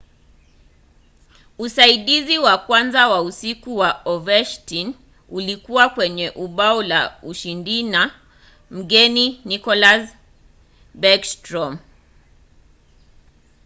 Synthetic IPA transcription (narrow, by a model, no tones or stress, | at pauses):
usaiɗiziwakwanzawausikuwaɔvɛʃtin | ulikuwakwɛɲɛʔuɓaɔlauʃindina | m̩ɠɛninikɔlas | bakstɾɔm